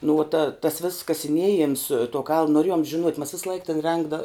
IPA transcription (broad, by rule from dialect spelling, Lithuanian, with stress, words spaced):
nʊ uɔ tɐ tɐs ʋʲeːss kɐsʲɪˈnʲiɛjɛms tuɔ kɐlˠn noːˈrʲeːjoːm ʒʲɪˈnuɔtʲ mɐs ˈʋʲɪslˠɐɪk tʲɛn ˈrʲɛŋɡdɐ